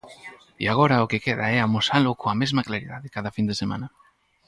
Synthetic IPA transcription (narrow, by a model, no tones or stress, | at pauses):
ḭaɣ̞oɾaokekeðaeamusalukoamezmaklaɾiðaðekaðafind̪esema̰na